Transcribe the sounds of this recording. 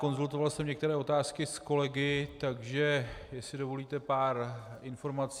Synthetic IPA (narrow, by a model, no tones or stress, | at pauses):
ko̞nzult̪o̞valsɛmɲɛk̚t̪ɛɾɛːo̞t̪aːskɪsko̞lɛɡɪt̪aɡʒɛjɛsɪdo̞vo̞liːt̪ɛpaːɾɪnfo̞ɾmat͡sː